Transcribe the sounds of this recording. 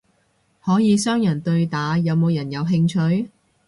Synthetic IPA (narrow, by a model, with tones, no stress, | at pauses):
hɔː˨˥jiː˨˧sœː˥ŋjɐ˨˩nt̪ɵ˧ɥt̪aː˨˥jɐ˨˧wmo˨˧wjɐ˨˩njɐ˨˧wɦɪ˧ŋt͡ʃʰɵ˧ɥ